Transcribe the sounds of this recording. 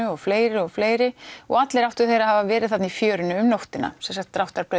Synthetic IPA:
ʏɔɣfleːjɾɪɔɣfleːjɾɪɔ̰ɣat̪lɛɾaw̥t̪ʏ̥θejɾaɦavavɛːɾɪðθat̪nifjœːɾʏnʏʏmnowht̪ɪna̰sɛnsakt̪ːɾawht̪aɾpɾœ

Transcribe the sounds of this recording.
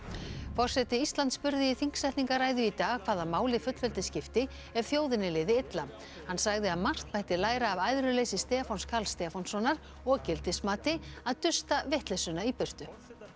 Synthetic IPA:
fɔr̥sɛt̪ɪist̪lant̪spʏɾðɪiθiŋ̥ksɛht̪niŋkaraːjðʏit̪aːɣkʰv̥aːðamaːwlɪfʏt̪lvɛlt̪ɪscɪft̪ɪ | ɛɾ̥θjoːwðɪnɪlɪːðɪɪt̪la | hansaɣðɪaðmar̥t̪pajht̪ɪlaːjɾaːvajðɾʏlejsɪst̪ɛːafawnskʰalst̪ɛafawnsɔnaɾ̥ | ɔɣcɪlt̪ɪsmaːt̪ɪaðt̪ʏst̪avɛht̪lɛsʏnaipʏr̥t̪ʏ

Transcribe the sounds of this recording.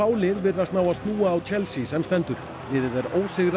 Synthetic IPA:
aːwlɪðvɪɾðat̪naːwast̪nuːaːwt͡ɕʰɛlsisɛmst̪ɛnt̪ʏɾ̥ | vɪːðɪðɛɾoːwsɪɣɾ

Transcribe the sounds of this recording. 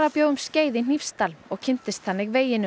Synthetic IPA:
ɾapjoːwɣʏmsceːjðɪn̥ifst̪almɔɣcʰɪn̥t̪ɪst̪θanːɪɣveːjɪnʏ

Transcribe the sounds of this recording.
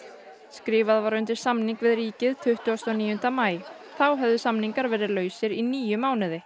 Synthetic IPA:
skɾɪːvaðvaɾʏnt̪ɪɾ̥samniŋkvɪðriːcɪðt̪ʰʏht̪ʏɔst̪ɔniːjʏnt̪amaːj | θawɦɛvðʏsamniŋkaɾvɛːɾɪlœːɥsɪɾiniːjʏmːaːwnɪðɪ

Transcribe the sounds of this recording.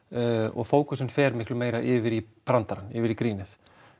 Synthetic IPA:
ɔ̰ɣfoːwkʏsʏnfɛɾmɪhklʏmeːjɾaʔɪːvɪɾipɾant̪aɾanːɪvɪɾikɾiːnɪθ

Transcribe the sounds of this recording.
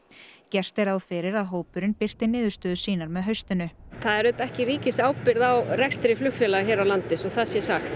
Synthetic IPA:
cɛr̥t̪ɛɾawfɪɾɪɾaðɦoːwpʏɾɪnpɪr̥t̪ɪnɪːðʏ̥ɾst̪œːðʏsiːnaɾmɛðɦœɥst̪ʏnʏθaðɛɾʏt̪ɛhcɪɾiːcɪsaːwpɪɾðawɾɛkst̪ɪɾɪflʏxfjɛlaçɛːɾawlant̪ɪsɔɣθaðsjɛsaxt̪

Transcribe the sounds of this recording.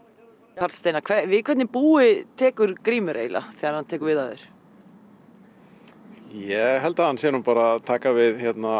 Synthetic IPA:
aɾt̪st̪eːjnakʰvɛvɪkʰvɛt̪nɪpuːɪt̪ʰɛːkʏɾ̥kɾiːmʏɾḛjla̰θɛːɣaɾhant̪ʰɛːkʏɾvɪðaðɪ̰ɾ̥ | jɛɣɦɛlt̪ahanːsjɛːnʏmpaːɾat̪ʰaːkavɪðçjɛt̪na

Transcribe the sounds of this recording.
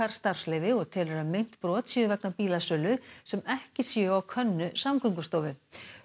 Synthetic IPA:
aɾ̥st̪aɾ̥slɛːjvɪɔɣt̪ʰɛːlɛɾamejn̥t̪pɾɔːt̪sjœʏvɛknapiːlasœːlʏsɛmɛhcɪsjɛawkʰœnːʏsamkʰʏŋkʏst̪oːwvʏ

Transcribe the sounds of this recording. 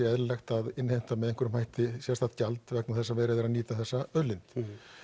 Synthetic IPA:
ɛɛðɾɪlɛxt̪aðɪnːhejm̥t̪amɛðɛŋkʏɾʏmhajht̪ɪsɛst̪at̪calt̪vɛknawθɛsːavɛːɾɪðɪɾaðniːt̪aθɛsːaœlɪnt̪

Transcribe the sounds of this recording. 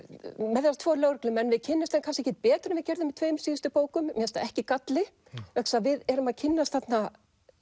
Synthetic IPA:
mɛðɪɾast̪ʰvoːlœːwɾɛklɪmɛnvɪðcʰɪnːɪmst̪ɛnkʰanscɪɛhcɛt̪̚pɛːt̪ɾʏmvɪðcɛɾðʏmɪt̪ʰvœːjmsiːðʏst̪ʏpoːwkʏmmjɛst̪aɛhcɪkat̪lɪ | vɛksavɪðɛɾʏmaðcʰɪnːast̪θat̪na

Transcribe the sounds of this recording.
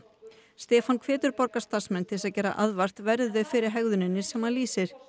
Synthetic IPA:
st̪ɛːfankʰvɛːt̪ʏɾpɔɾkast̪asmɛnːt̪ʰɪlsaðcɛːɾːa̰ʔaðvar̥t̪vɛɾðʏfɪɾɪɾ̥ɦɛɣðʏnɪnːɪ̥sɛmhanliːsɪɾ̥

